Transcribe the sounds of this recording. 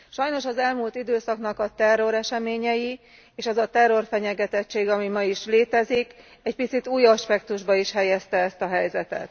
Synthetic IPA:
ʃɒjno̞ʃɒzɛlmult̪id̪øːsɒknɒkɒt̪ɛrːo̞ɾɛʃɛmeːɲɛji | eːʃɛzɒt̪ɛrːo̞rfɛɲɛɡɛt̪ɛt͡ʃːeːɡɒmimɒiʃleːt̪ɛzik | ɛcpit̪sit̪uːjɒʃpɛkt̪uʒbɒiʃhɛjɛst̪ɛɛst̪ɒɦɛjzɛt̪ɛ̰t̪

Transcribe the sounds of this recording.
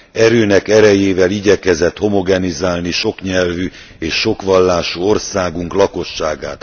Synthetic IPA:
ɛɾøːnɛkɛɾɛjeːvɛliɟɛkɛzɛt̪ho̞mo̞ɡɛnizaːlniʃo̞kɲɛlvy | eːʃːo̞kʋɒlːaːʃuo̞rsaːɡuŋklɒko̞ʃːaːɡa̰ːt̪

